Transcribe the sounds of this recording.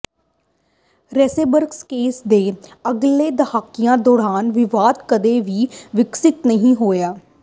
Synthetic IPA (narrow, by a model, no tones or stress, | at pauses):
ɾɛːseːbəɾkskeːsd̪eːəɡleːd̪əhaːkːɪjãːd̪ɔːɽaːnʋɪʋaːd̪kəd̪eːʋiːʋɪksɪt̪nəɦĩːɦoːjaː